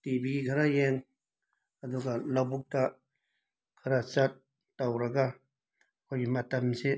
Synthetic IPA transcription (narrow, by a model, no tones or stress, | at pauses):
tibiikʰɐɾajeŋ | ɐduɡalawbuk̚ta | kʰɐɾat͡ʃɐt̚ː | awɾɐɡa | kʰojɡimɐtɐmse